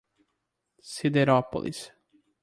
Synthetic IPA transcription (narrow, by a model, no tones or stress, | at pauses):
sid̪eɾɔpo̰lḭs